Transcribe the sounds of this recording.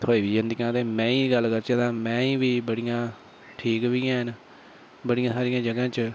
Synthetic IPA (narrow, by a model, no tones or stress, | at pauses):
t̪ʰoːiːʋiːd͡ʒə̃nd̪ikãːt̪eːmɛ̃ːĩːɡəlkəɾt͡ʃãːd̪ãːmɛ̃ːĩːʋiːbəɽijãː | ʈʰiːkʋiːãːɦɪn | bəɽijãːsaːɾijãːd͡ʒəɡãːt͡ʃ